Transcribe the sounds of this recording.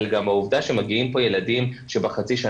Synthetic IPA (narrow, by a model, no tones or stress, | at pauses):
lɡamhauvd̪aʃemaɡiimpo̞je̞ladimʃebaχat͡siʃa